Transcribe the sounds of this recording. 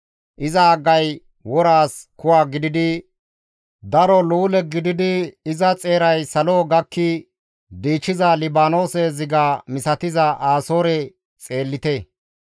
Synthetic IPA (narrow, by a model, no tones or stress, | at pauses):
ʔɪzɐːɡɐj | wɔɾaːskʊwaːɡɪd̪ɪd̪ɪ | d̪ɐɾɔluːlɛɡɪd̪ɪd̪ɪːzɐt͡sʼe̞ːɾɐjsɐlo̞ːɡɐkːɪ | d̪iːt͡ʃːɪzɐlɪbaːno̞ːsezɪɡaːmɪsɐt̪ɪzɐʔaːso̞ːɾɛ | t͡sʼe̞ːlːɪt̪e